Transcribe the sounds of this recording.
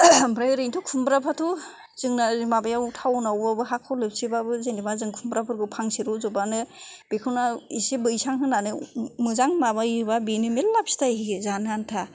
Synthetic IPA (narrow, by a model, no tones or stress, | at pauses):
bɾajɾɯjntʰukʰumbɾapʰatʰu | z̥ɯŋnamabajautʰawnawbabɯɦakʰɔwlɯp̚sibabɯzenimazɯŋkʰumbɾapʰɯɾɡɯpʰaŋsiɾuzɔbanɯb̥ekʰɯwnaisebɯjsaŋɦɯnanɯmɯzaŋmabajɯbabinɯmelːap̚si̥tahiɡezanantʰa